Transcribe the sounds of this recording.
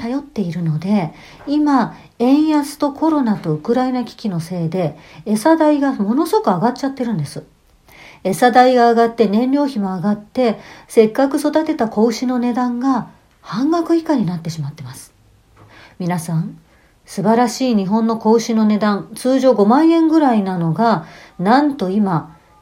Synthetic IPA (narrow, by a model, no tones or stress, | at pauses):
t̪ajo̞t̪ːe̞iɾɯ̟no̞d̪e̞ | ima | ẽ̞ɰ̃jasɨ̥t̪o̞kʰo̞ɾo̞nat̪o̞ɯ̟kɯ̟ɾaenakʲi̥kʲino̞se̞ːd̪e̞ːsad̪aiɡamo̞no̞so̞kɯaɡat̚t͡ɕat̪ːe̞ɾɯ̟̃nd̪e̞sɨ | e̞sad̪aiɡaːɡat̪ːe̞nẽ̞nɾʲo̞ːçimo̞aɡat̪ːe̞se̞kːakɯ̟so̞d̪at̪e̞t̪ako̞ɯ̟ɕino̞ne̞d̪ãŋɡa | hãŋɡakɯ̟i̥kaɲ̟inat̪ːe̞ɕimat̪ːe̞masɨ̥ | mʲinasãñ | sɨbaɾaɕiːɲ̟iɦõ̞nːo̞ko̞ɯ̟ɕino̞ne̞d̪ãnt͡sɨːʑo̞ːɡo̞mãɰ̃ẽ̞ŋɡɯ̟ɾainano̞ɡanãnt̪o̞ima